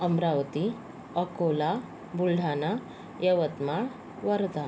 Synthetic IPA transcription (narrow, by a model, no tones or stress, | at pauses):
əmɾaʋət̪i | əkola | bulɖʱana | jəʋət̪ma | ʋəɾd̪a